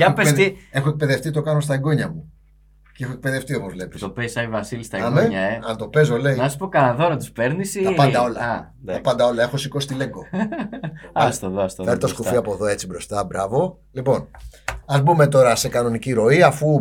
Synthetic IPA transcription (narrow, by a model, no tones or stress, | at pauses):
ɐekpesðie̞xoek̚peðeft̪it̪o̞kɐno̞st̪ɐeɡo̞ɲɐmu | ceexoek̚peðe̞ft̪io̞pozvle̞pisopesɐivɐsilist̪ɐɐmeɲɐeɐnt̪o̞pe̞zole̞inɐssu̥pokɐnɐðoɾɐt̪i̥speɾnisit̪ɐpɐnd̪ɐo̞lɐɐ | nɐɐpɐnd̪ɐo̞lɐe̞xo̞siko̞si̥t̪ile̞ŋɡo̞ | ɐst̪oðst̪ofeɾit̪osskuffiɐpoðo̞e̞t͡sibɾo̞st̪ɐbɾɐvo̞ | lipo̞nɐzbume̞t̪o̞ɾɐse̞kɐno̞niciɾo̞iɐfu